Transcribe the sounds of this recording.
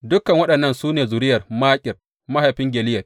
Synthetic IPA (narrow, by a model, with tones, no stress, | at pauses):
dʊ˦kɐ˨ŋwɐ˦ɗɐ˨nːɐ˦nsuː˦neː˨zʊ˨ɾɪ˦jɐ˨rmaː˦kʲʼɪ˨r | ma˦ha˨jɸɪ˦ŋɡʲɛ˨lɪ˦jɐ˨r